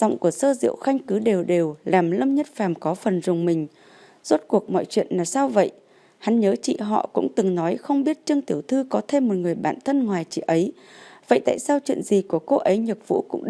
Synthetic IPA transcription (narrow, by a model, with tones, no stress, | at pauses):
zɔ̰˧˨wŋ͡mku˧˩əsəː˧zḭ˧˨əwxa˧jŋ̟kɨ˨˦ɗe˨˩wɗe˨˩wlaː˨˩mlə˧mɲə˦˥t̚faː˨˩mkɔ˨˦fə˨˩nzʊ˨˩ŋ͡mmï˨˩ŋ̟ | z̥o˦˥t̚ku˨˩ək̚mɔ̰˧˨jt͡ɕwḭ˧˨ənlaː˨˩saː˧wvə̰˧˨j | ha˨˦nɲəː˨˦t͡ɕḭ˧˨ɦɔ̰˧˨kʊ̰˧˥ŋ͡mt̪ɨ˨˩ŋnɔ˨˦jxə˧wŋ͡mɓi˦˥ət̚t͡ɕɨ˧əŋt̪i˧˩əwt̪ʰɨ˧kɔ˨˦t̪ʰe˧mːo˨˩t̚ŋɨ˨˩əjɓa̰ː˧˨nt̪ʰə˧nŋwaː˨˩jt͡ɕḭ˧˨ʔə˨˦j | və̰˧˨jt̪a̰ː˧˨jsaː˧wt͡ɕwḭ˧˨ənzi˨˩ku˧˩əko˧ʔə˨˦jɲə˨˩k̚v̥ṵ˧˥kʊ̰˧˥ŋ͡m